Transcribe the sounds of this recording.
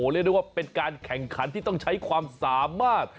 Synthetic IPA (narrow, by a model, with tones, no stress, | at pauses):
oː˩˦ɾi˥˩d̪wa˥˩pe˧nkaː˧nkʰɛ˨˩ŋkʰa˩˦nt̪ʰiː˥˩t̪ɔ˥˩ŋt͡ɕʰa˦˥jkʰwaː˧msaː˨˦mːaː˥˩t̪̚